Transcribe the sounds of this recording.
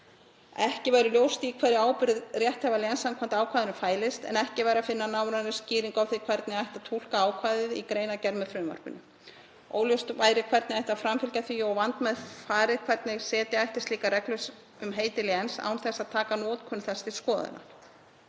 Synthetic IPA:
ɛhcɪvajɾʏljowst̪ikʰvaːɾɪaːwpʏɾɪðrjɛht̪hɛvalɪɛnsːankʰvamt̪aːwkʰaːðɪnʏfaːjlɪst̪ɛ̰nɛhcɪvajɾafɪnːanaːwɾanɪsciːɾiŋkawθikʰvɛɾt̪nɪaajht̪at̪ʰul̥kaaːwkʰvaːðɪðikɾeːjnacɛɾmʏfɾʏva̰ɾ̥pʏ̰nːʏ | o̰ːwljowst̪vaːjɾɪkʰvɛɾt̪nɪajht̪afɾamfɪlcaθviɔɣvant̪mɛðfaːɾɪðkʰvɛɾt̪nɪɣsɛːt̪ɪajht̪ɪst̪liːkaɾɛklʏs | ʏmɦeːjt̪ɪlɪɛnsa̰wnθɛsːaðt̪ʰaːkanɔːt̪kʰʏnθɛst̪ɪ̥skɔːða̰na̰̥

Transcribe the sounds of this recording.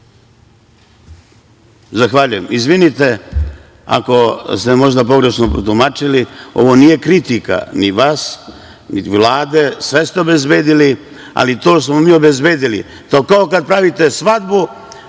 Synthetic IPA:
zaxʋaʎuje̞mizʋinit̪e̞ | a̰ko̞st̪emo̞ʒd̪apo̞ɡɾe̞ʃnopɾot̪umat͡ʃilio̞̰ʋo̞nije̞kɾit̪ika̰niʋaːs | iʋlˠaːd̪e̞sʋe̞st̪eobe̞zbe̞ːd̪ili | a̰lit̪o̞ːsmomiːo̞be̞zbe̞ːd̪ilḭ | t̪okaokad̪̚pɾaʋit̪e̞sʋad̪bu

